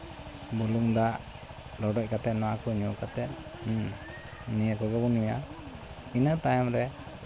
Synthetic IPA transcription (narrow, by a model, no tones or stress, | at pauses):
buluŋd̪aʔ | ɾɔɖɔc̚kat̪ɛt̪̚nɔwakɔɲɔkat̪ɛt̪̚ | nijakɔɡɔbunuja | inət̪ajamɾɛ